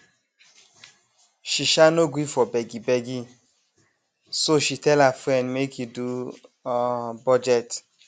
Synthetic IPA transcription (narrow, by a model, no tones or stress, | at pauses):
ʃiʃanoɡʷifɔbɛɡibɛɡi | soʃitɛlafɾɛ̃ndmekidu | bɔd͡ʒɛt